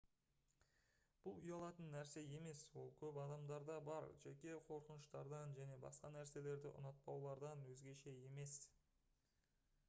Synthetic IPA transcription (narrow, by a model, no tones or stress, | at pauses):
b̥ʊlˠʊjɑlˠɑt̪ənːæɾse̞je̞me̞swo̞lˠkʲʰɵpɑd̪ɑmd̪ɑɾd̪ɑbɑɾʒekʲe̞qʰo̞ɾqənəʃt̪ɑɾd̪ɑnʒæne̞bɑ̰sqɑnæɾse̞le̞ɾd̪ɪ̰ʔʊ̰nɑt̪̚pɑwlˠɑɾd̪ɑnwɵzɡʲe̞ʃe̞je̞me̞s